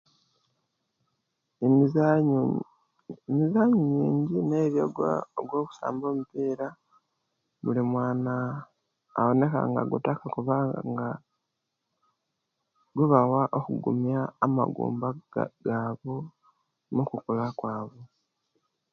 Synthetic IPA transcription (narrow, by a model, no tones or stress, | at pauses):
emizaːɲuɲiːɲɟine̞ːβjoɡwa̰oɡwo̞ːku̥sa̰ːmbo̞ːmupiːɾa | βulimwaːnaː | wo̞ne̞ka̰ŋɡa̰ɡutakakuβaːa̰ŋɡa | ɡwuβawaʔo̞kuɡṵmjaːma̰ɡṵːmba̰ɡaːβo̞ | nukukulakwaːβo̞